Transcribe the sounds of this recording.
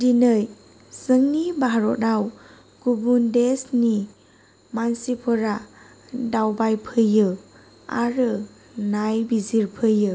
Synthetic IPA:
dinɯj | sɯŋnibaɦaɾɔdaw | ɡ̥ubundesni | mansipʰɔɾa | dawbajpʰɯjɯ | a̰ɾɯ | najbiziɾpʰɯjɯ

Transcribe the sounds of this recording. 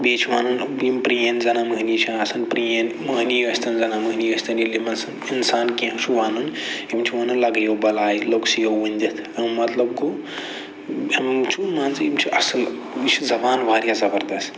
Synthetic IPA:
beːt͡ʃʰʋaːnunimpɾijenzɐnamɨɦnit͡ʃʰãnɐsɐnpɾienmɐɦnijɐsʲt̪ʰɐnzɐnamɨɦniɐsʲt̪ʰɐnilimɐnsɐninsaːnkĩʃʰuʋaːnunimt͡ʃʰiʋɐnɨlɐɡɐjoːbɐlaːjiloːksijoʋunʲd̪ʲɐt̪ʰɐmɐt̪lɐbku | ɐmt͡ʃʰumaːnzimt͡ʃʰiʔɐsɐl | bit͡ʃʰzɐbaːnʋaːɾijazɐbɐɾd̪ɐst̪

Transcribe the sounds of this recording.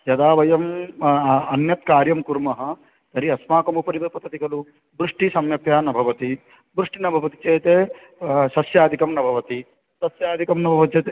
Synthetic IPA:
jɐd̪aːʋɐjɐm | ɐnjɐt̪̚kaːɾjɐmkuɾmɐɦɐ̆ | t̪ɐɾiɐsmaːkɐmupɐɾibɐpɐt̪ʰɐt̪ikɐlu | bɾuʂʈisɐmjɐpjaːnɐbʱɐʋɐt̪i | bɾuʂʈinɐbʱɐʋɐt̪it͡ʃeːt̪eː | ʃɐsjaːd̪ʱikɐmnɐbʱɐʋɐt̪i | sɐsjaːd̪ʱikɐmnɐbʱɐʋɐt̪it͡ʃeːt̪e

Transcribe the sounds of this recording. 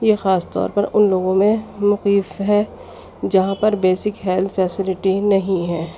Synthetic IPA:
jexaːst̪ɔ̰ːɾpɐɾʊnloːɡõmẽmʊqiːfɦɛ | d͡ʒɐɦãpɐɾbeːsɪkɦɛlt̪ʰfɛːsɪlɪʈinɐɦĩɦɛː

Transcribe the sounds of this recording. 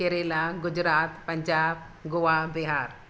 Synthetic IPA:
eɾelaɡʊd͡ʒɾaːt̪pəɲd͡ʒaːb | ɡoabiɦaɾ

